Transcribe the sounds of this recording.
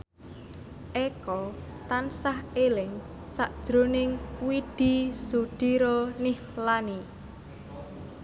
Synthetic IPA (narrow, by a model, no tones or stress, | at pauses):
ʔekɔ | t̪ansahelɪŋ | saʔd̥ʒ̥ɾonɪŋwiɖ̪̥i̤suɖ̪̥i̤ɾɔnihlani